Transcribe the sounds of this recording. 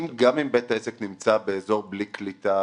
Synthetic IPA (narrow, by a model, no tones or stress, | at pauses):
mɡamimbetaeseknimt͡sabe̞ːzo̞ʁbliklita